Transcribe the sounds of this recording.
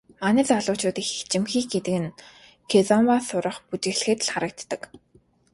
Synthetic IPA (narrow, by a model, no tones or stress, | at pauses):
manɪ̆t͡saɮʊːt͡ɕʊːt̪ixt͡ɕɪ̆mxiːkɡet̪ɘ̆kɘ̆n | kʰet͡sɔmwasʊɾə̆χput͡ɕ̪ɘ̆xɮ̆xɘ̆ːt̪ɮχaɾə̆k̚t̪ːə̆k